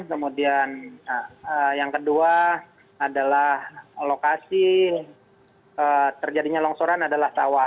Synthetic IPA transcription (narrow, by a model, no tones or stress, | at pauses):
kəmudian | əjaŋkəduaː | dalahlokasi | ət̪ərd͡ʒadiɲalɔŋsoɾanadalahsa̰wa